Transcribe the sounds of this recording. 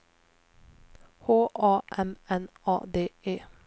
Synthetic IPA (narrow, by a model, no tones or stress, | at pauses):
hoːʔɑːʔɛmɛnɑ̰ːd̪eːeː